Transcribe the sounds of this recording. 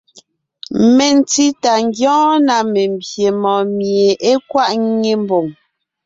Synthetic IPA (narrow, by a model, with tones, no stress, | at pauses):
me˨n˨ti˦ta˨ŋ˦ɡjɔ̃ː˦na˨me˨m̩˨bje˨mɔ̃˨mje˨e˦kwa˦ʔŋe˦m̩˦bo˨ŋ